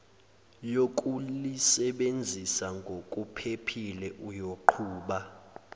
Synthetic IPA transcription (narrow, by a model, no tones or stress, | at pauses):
jok̬ʼulisɛɓend͡zʱisaŋɡʱokʼupʰepʰilɛʔujoǃʰuːɓa